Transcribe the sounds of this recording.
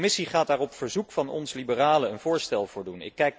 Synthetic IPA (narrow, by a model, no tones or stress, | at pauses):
mɪsiχaːdaːrɔpfəɹzukfɑnɔ̰nslibəraːləənv̥ʊːɹstɛlˠvʊːɹdunɪ̰kkːɛjk̚